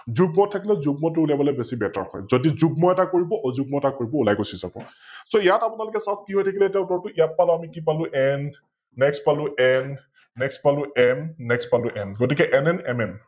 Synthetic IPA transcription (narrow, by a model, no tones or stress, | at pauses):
zuɡ̚mɔtʰːakilɛzuɡmɔt̬ʊuliabɔlɔbesibɛta̰ɹhɔ̰jzodizuɡmɔɛtakoɹibɔʔɔzuɡ̚mɔɛtakoɹibɔulajkosiza̰bɔ̰ | soijatapʊnalʊkɛsɔb̚kiɦojtʰakilɛtɛʊtɔɹtʊijat̚palʊamikipalʊ̃ʔɛnː | ɛkspalʊ̃ʔɛnː | ɛkspalʊɛmnɛkspalʊʔɛnɡotikɛʔɛnɛnɛmɛm